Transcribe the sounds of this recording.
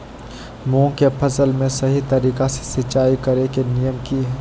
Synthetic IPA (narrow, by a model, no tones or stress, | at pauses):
mũːkepʰɐsəlmẽsɐɦit̪ɐɾiːkase̥sɪt͡ʃaːikɐɾekenijəmkiɦɛː